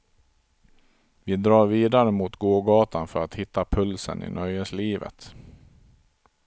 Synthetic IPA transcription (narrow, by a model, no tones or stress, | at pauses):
vɪd̪ɾɑːɾviːd̪aɾəmuːt̪ɡoːɡɑːt̪anfœɾat̪hɪt̪ːapʰɵlsə̰nɪ̰nʔœjəsliːvə̰t̪